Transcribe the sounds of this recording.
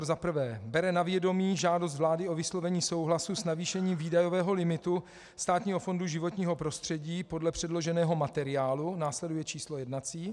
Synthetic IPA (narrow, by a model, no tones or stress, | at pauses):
zapr̩vɛːbɛɾɛnavjɛdo̞miːʒaːdos̬t̪vlaːdɪʔo̞vɪslo̞vɛɲiːso̞wɦlasusnaviːʃɛɲiːmviːdajo̞vɛːɦo̞lɪmɪt̪u | st̪aːt̪ɲiːɦo̞fo̞nduʒɪvo̞t̪ɲiːɦo̞pɾo̞st̪r̝̥ɛɟiːpo̞dlɛpr̝̥ɛdlo̞ʒɛnɛːɦo̞mat̪ɛɾɪaːlunaːslɛdujɛt͡ʃiːslo̞jɛdnat͡siː